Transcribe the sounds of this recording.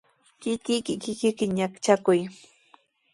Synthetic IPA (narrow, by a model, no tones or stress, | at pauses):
kɪkɪkɪkɪkɪkɪɲakt͡ʃakʊj